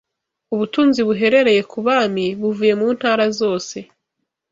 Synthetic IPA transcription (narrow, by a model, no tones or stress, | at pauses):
uβutuːnziβuɦe̞ɾe̞ɾe̞je̞kʰuβaːmiβuvuje̞muːn̥haːɾazo̞ːse̞